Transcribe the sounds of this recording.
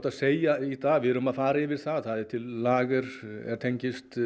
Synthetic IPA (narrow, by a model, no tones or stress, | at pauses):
t̪aðseːjait̪aːvɪɾʏmaðfaːɾaɪvɪɾθaðθaðɪt̪ʰɪlːaːɣɪɾ̥ɛ̰ɾ̥t̪ʰejɲcɪst̪